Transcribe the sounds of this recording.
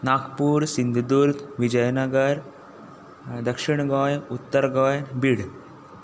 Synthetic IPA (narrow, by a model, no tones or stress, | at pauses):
naːkpuːɾsind̪ʱd̪uɾt̪ʋid͡ʒɐjnɐɡɐɾ | d̪ɐkʂiɳɡaːjut̪ːɐɾɡaːjnbiɽ